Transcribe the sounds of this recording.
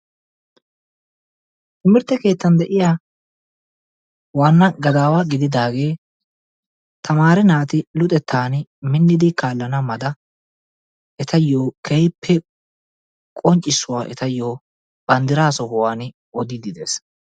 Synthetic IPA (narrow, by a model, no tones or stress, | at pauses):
ʔɪmɪɾt̪ːɛke̞ːt̪ːɐnd̪ɛʔɪjaː | waːnːɐɡɐd̪aːwaːɡɪd̪ɪd̪aːɡe̞ː | t̪ʰɐmaːɾɛnaːt̪ɪlʊt̪ʼɛt̪ʰːaːnmɪnːɪd̪ɪkaːlːɐnɐmɐd̪ɐ | ʔɛt̪ɐjːoːkʰɛjpʰːɛ | kʼɔɲt͡ʃʼːɪsːʊwaːʔɛ̰t̪ɐjːoː | b̥ɐnd̪ɪɾaːsɔhʊwaːn | ɔd̪ɪd̪ɪd̪e̞̰ːs